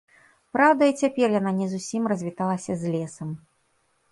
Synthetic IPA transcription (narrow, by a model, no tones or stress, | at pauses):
pɾawd̪ɐit͡sʲapʲɛrjananʲɛzusʲimrɐzʲvʲit̪alˠɐsʲɐzʲlʲɛsɐm